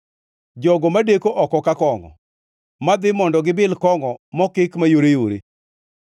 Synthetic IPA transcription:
d͡ʒɔɡɔmadekoʔɔkɔkakɔŋɔ̰ | mad̪ɪmɔndɔɡɪbɪlkɔŋɔmɔkɪkmajoɾejoɾḛ

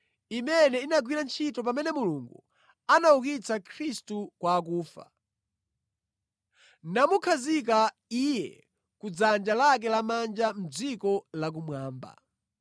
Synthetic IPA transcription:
imɛnɛinaɡwiɾant͡ʃʰitɔp̬amɛnɛmuluŋɡu | anaukit͡sakʰɾistukwaːk̬uːfa̰ | namukʰazik̬a | ijɛ̰ | kud͡zand͡ʒalak̬ɛlamand͡ʒam̩d͡zikɔlak̬umwaːmba̰

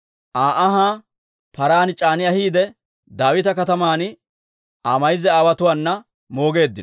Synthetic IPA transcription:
ʔaːʔɐɦaː | pɐɾaːnt͡ʃʼaːnɪjɐhiːd̪ɛ | d̪aːwɪt̪ɐkɐt̪ɐmaːn | ʔaːmɐjɪzɛaːwɐt̪ʊwaːnːɐ | mo̞ːɡe̞ːd̪ːɪn

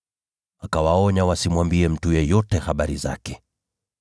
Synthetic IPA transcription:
akawaɔɲawasimwambiɛm̩tujɛjɔtɛhaɓaɾiza̰kɛ

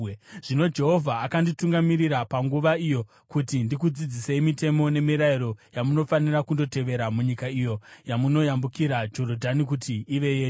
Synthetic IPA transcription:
ʐ̥ino̞d͡ʒe̞ɦo̞vʱaːkandituŋɡamiɾiɾapaŋɡuʋaijo̞ | kutindikud͡zid͡ziseimite̞mo̞ne̞miɾaiɾo̞jamuno̞fanirakundo̞te̞ʋe̞ɾamuɲikaijo̞jamuno̞jambukiɾad͡ʒo̞rodʱanik̬utiːʋe̞je

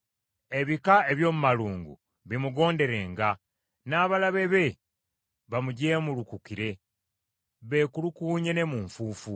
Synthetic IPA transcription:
e̞βikae̞βjo̞ːmumaluːŋɡṵ | βimuɡo̞ːnde̞ɾe̞ːŋɡa | naːβalaβe̞βe̞ | βamuɟe̞ːmulukukiɾe̞ | βe̞ːkulukuːɲe̞ne̞muːɱfuːfu

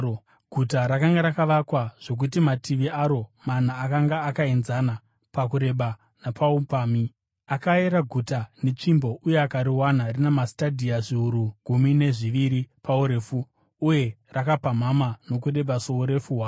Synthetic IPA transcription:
ɡʱutaɾakaŋɡaɾakaʋakwaʐ̥o̞k̬utimatiʋiaɾo̞man̤aːkaŋɡaːkaenzana | pakuɾe̞ɓa | napʰaupaːmi | akaeɾaɡʱutane̞t͡ʂimbo̞ʔuje̞akaɾiwanarinemastadʱiaʐiuɾuɡʱumine̞ʐiʋiɾipauɾe̞ːfuː | je̞rakapamamano̞kuɗe̞ɓasouɾe̞fuwa

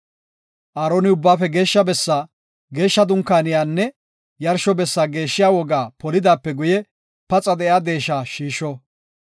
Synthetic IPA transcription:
ʔaːɾoːnɪʊbːaːfɛɡe̞ːʃːɐbɛsːa | ɡe̞ːʃːɐd̪ʊŋkːaːnɪjaːnːɛ | jɐɾʃɔbɛsːaːɡe̞ːʃːɪjaːwɔɡaːpɔlɪd̪aːpːɛɡʊjɛ | pɐt͡sʼɐd̪ɛjaːd̪e̞ːʃaːʃiːʃːɔ

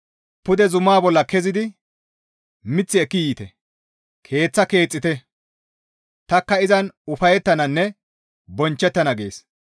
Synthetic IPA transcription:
pʊd̪ɛzʊmːaːbɔlːɐkɛzɪd̪ɪ | mɪt͡sːɪɛkːɪjiːt̪ɛ | kʰe̞ːt͡sːɐke̞ːt͡sʼːɪt̪ɛ | t̪ɐkːɐɪzɐnʊfɐjɛt̪ːɐnɐnːɛ | bɔnt͡ʃːɛt̪ːɐnɐɡe̞̰ːs

